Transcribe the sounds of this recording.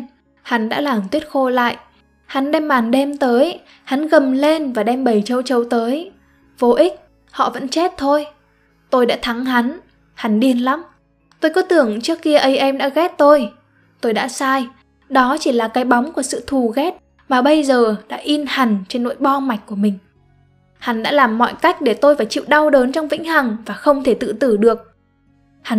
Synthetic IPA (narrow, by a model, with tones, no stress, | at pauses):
ha˨˦nɗa̰ː˧˥laː˨˩mt̪wi˦˥ət̚xo˧la̰ː˧˨jʔ | ha˨˦nɗɛ˧mːaː˨˩nɗɛ˧mt̪əː˨˦j | ha˨˦nɣə˨˩mle˧nvaː˨˩ɗɛ˧mɓə˨˩jt͡ɕə˧wt͡ɕə˨˧wt̪əː˨˦j | vo˧ʔï˦˥k̚ | hɔ̰˧˨və̰˧˥nt͡ɕe˦˥t̚t̪ʰo˧j | t̪o˧jɗa̰ː˧˥t̪ʰa˨˦ŋɦa˨˦n | ha˨˦nɗi˧ənla˨˦m | t̪o˧jkɔ˨˦t̪ɨ˨˩əŋt͡ɕɨ˦˥əkːi˧əʔə˨˦jʔɛ˧mɗa̰ː˧˥ɣɛ˦˥t̚t̪o˧j | t̪o˧jɗa̰ː˧˥saː˧j | ɗɔ˨˦t͡ɕi˧˩laː˨˩kaː˨˦jɓa˨˦wŋ͡mku˧˩əsɨ̰˧˨t̪ʰu˨˩ɣɛ˦˥t̚ | maː˨˩ɓə˧jzəː˨˩ɗa̰ː˧˥ʔi˧nha˨˩ŋ̟t͡ɕe˧nːo̰˧˥jɓɔ˧ma˨˩jk̟̚ku˧˩əmï˨˩ŋ̟ | ha˨˦nɗa̰ː˧˥laː˨˩mːɔ̰˧˨jka˦˥jk̟̚ɗe˧˩t̪o˧jfaː˧˩jt͡ɕḭ˧˨wɗa˧wɗəː˨˦nt͡ɕɔ˧wŋ͡mvḭ˧˥ŋ̟ha˨˩ŋvaː˨˩xə˧wŋ͡mt̪ʰe˧˩t̪ɨ̰˧˨t̪ɨ˧˩ɗɨ˨˩ək̚ | ha˨˦